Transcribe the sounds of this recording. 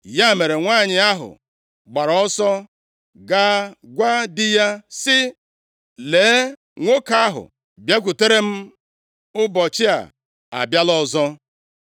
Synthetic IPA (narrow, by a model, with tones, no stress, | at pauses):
ja˦˨me˨ɾe˨ŋʷaː˦˨ɲɪ˨a˦ɦʊ̰˨ | ɡ͡ba˨ɾɔ˦sɔ˦ | ɡaː˦ɡʷa˦dɪ˦ja˦sɪ˦ | leː˨˦ | ŋʷo˦ka˦ɦʊ̰˨ | bja˦k̬ʷu˨te˦ɾe˦m̩˦ | ʊ˦bɔ˨t͡ʃɪ˦a̰˨ | a̰˨bja˦lɔ˦zɔ˦